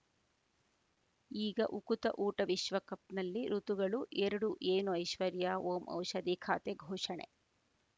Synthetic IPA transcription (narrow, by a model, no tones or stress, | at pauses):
iːɡɐʔukut̪ɐʔuːʈɐʋiʃʋɐkɐp̚nɐlːiɾut̪uɡɐɭuʔɛɾɐɽuʔeːnuɐjʃʋɐɾjaːoːmʔɐ̰wʃɐd̪ikʰa̰ːt̪eɡʱɔːʂɐɳḛ